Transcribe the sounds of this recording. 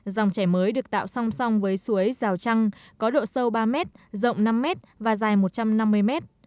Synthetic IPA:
za˨˩wŋ͡mt͡ɕɛ˧˩jməː˨˦jɗɨ˨˩ək̚t̪a̰ː˧˨wsa˧wŋ͡msa˧wŋ͡mvəː˨˦jsu˨˦əjzaː˨˩wt͡ɕa˧ŋkɔ˨˦ɗo̰˧˨sə˧wɓaː˧mɛ˦˥t̚zə̰˧˨wŋ͡mna˧mːɛ˦˥t̚vaː˨˩zaː˨˩jmo˨˩t̚t͡ɕa˧mna˧mːɨ˧əjmɛ˦˥t̚

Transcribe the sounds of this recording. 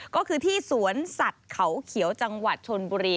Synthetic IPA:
kɔː˥˩kʰɯː˧t̪ʰiː˥˩su˩˦ənsa˨˩t̪̚kʰa˩˦wkʰi˩˦əwt͡ɕa˧ŋwa˨˩t̪̚t͡ɕʰo˧nbuː˧ɾiː˧

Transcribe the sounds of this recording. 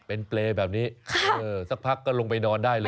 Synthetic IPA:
pe˧npleː˧bɛː˨˩p̚niː˦˥kʰa˧˥˩ʔɤː˧sa˦˥˩k̚pʰa˦˥kːɔː˥˩lo˧ŋpa˧jnɔː˧ndaː˥˩jlː

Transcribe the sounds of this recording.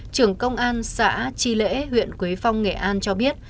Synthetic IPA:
t͡ɕɨ˨˩əŋkə˧wŋ͡mʔaː˧nsa̰ː˧˥t͡ɕi˧lḛ˧˥ɦwḭ˧˨ənkwi˨˦jfa˧wŋ͡mŋe˨˩ʔaː˧nt͡ɕɔ˧ɓi˦˥ət̚

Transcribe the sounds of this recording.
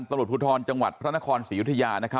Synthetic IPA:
nt̪a˧mɾu˨˩t̚pʰu˧t̪ʰɔː˧nt͡ɕa˧ŋwa̰˨˩t̪̚pʰɾa˥na˦˥kʰɔː˧nsiː˨˩˦ju˦˥t̪ʰːa˧jaː˧na˦˥kʰa˦˥

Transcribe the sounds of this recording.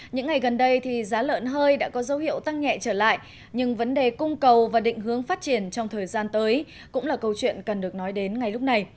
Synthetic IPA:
ɲɨ̰˧˥ŋːa˨˩jɣə˨˩nɗə˧jt̪ʰi˨˩zaː˨˦lə̰ː˧˥nɦəː˧jɗa̰ː˧˥kɔ˨˦zə˨˦whḭ˧˨əwt̪a˧ŋɲɛ̰˧˨t͡ɕəː˧˩la̰ː˧˨j | ɲɨ˧ŋvə˨˦nɗe˨˩kʊ˧ŋ͡mkə˨˩wvaː˨˩ɗḭ̈˧˨ŋ̟ɦɨ˨˦əŋfaː˦˥t̚t͡ɕi˧˩ənt͡ɕɔ˧wŋ͡mt̪ʰəː˨˩jzaː˧nt̪əː˨˦j | kʊ̰˧˥ŋ͡mlaː˨˩kə˧wt͡ɕwḭ˧˨ənkə˨˩nɗɨ˨˩ək̚nɔ˨˦jɗe˨˦nŋa˨˩jlk͡p̚na˨˩j

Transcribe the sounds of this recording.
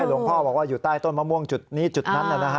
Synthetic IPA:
a˥˩lu˧˦ŋpʰɔː˥˩bɔː˨˩k̚waː˥˩juː˨˩t̪aː˥˩jt̪o˥˩nmaː˧mu˧˥˩əŋt͡ɕu˨˩t̪̚niː˦˥t͡ɕu˨˩t̪̚na˦˥nʔa˨˩na˦kʰ

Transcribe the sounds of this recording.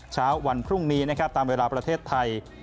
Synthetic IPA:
t͡ɕʰaː˦˥wːa˧npʰɾu˥˩ŋniː˦˥na˦˥kʰɾa˦˥p̚t̪aː˧mweː˧laː˧pɾa˧t̪ʰeː˥˩t̪ʰːa˧j

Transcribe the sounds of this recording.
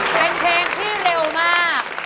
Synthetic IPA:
pe˧nkʰɛː˧ŋt̪ʰiː˥˩ɾe˧wmaː˥˩k̚

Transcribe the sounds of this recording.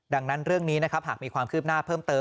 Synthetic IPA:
da˧ŋna˦˥nɾɯ˥˩əŋniː˦˥na˦˥kʰa˦˥p̚ɦaː˨˩k̚miː˧kʰwaː˧mkʰɯː˥˩p̚naː˥˩pʰɤː˥˩mt̪ɤː˧

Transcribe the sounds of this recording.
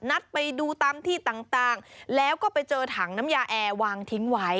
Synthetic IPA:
na˦˥t̪̚pa˧jduː˧t̪aː˧mt̪ʰiː˥˩t̪aː˨˩ŋt̪aː˨˩ŋlɛː˦˥wkɔː˥˩pa˧jt͡ɕɤː˧t̪ʰaː˩˦ŋna˦˥mjaː˧ʔɛː˧waː˧ŋt̪ʰi˦˥ŋwa˦˥j

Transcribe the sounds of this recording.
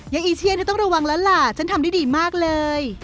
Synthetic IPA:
ja˧˩ʔiː˧t͡ɕ̪ʰi˧˥əntʰi˥˩t̪ɔ˥˩ŋ˩ɾa˧wa˧ŋlɛ˦˥wla˧˩t͡ɕʰa˦˥nt̪ʰmda˥˩diː˧˩maː˥˩k̚lɤː˧j

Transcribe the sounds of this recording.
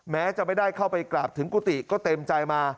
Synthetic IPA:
mɛː˦˥t͡ɕa˨˩ma˥˩jdaː˥˩jkʰa˥˩wpa˧jklaː˨˩p̚t̪ʰɯ˨˩˦ŋkuː˧˥t̪i˨˩kɔː˥˩t̪e˧mt͡ɕa˧jmaː˧

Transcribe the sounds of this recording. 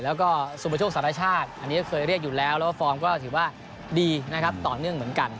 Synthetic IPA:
lɛː˦˥wkɔː˥˩su˨˩pʰa˧t͡ɕʰoː˥˩ksa˨˦ɾa˧˥˩t͡ɕʰaː˥˩t̪̚ʔa˧nːiː˦˥˧kʰɤː˧jɾi˥˩ək̚juː˨˩lɛː˦˥wlɛː˦˥waː˥˩fɔː˧mkɔː˥˩t̪ʰɯː˩˦waː˥˩ | diː˧na˦˥kʰa˦˥p̚t̪ɔː˨˩nɯ˥˩əŋmɯ˩˦ənka˧n

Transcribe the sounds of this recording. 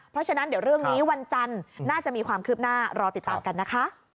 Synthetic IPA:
pʰɾɔ˦˥t͡ɕʰa˧na˦˥ndi˨˩˦wɾɯ˥˩əŋniː˦˥wa˧nt͡ɕa˧nːaː˥˩t͡ɕa˨˩ʔmiː˧kʰwaː˧mkʰɯː˦˥˩p̚naː˥˩ɾɔː˧t̪i˨˩t̪ːaː˧mka˧nːa˦˥kʰa˦˥ʔ

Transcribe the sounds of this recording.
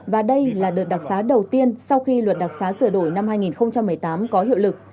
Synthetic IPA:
vaː˨˩ɗə˧jlaː˨˩ɗɨː˨˩t̚ɗa˨˩k̚saː˨˦ɗə˨˩wt̪i˧ənsa˧wxi˧lwə˨˩t̚ɗa˨˩k̚saː˨˦sɨ˧˩əɗo˧˩jna˧mhɦaː˧jŋi˨˩nxə˧wŋ͡mt͡ɕa˧mːɨ˨˩əjt̪aː˨˦mkɔ˨˦hḭ˧˨wlɨ˨˩k̚

